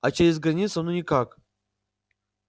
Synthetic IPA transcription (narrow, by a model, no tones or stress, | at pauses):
at͡ʃʰaizɡranʲisanunʲikʰakʼ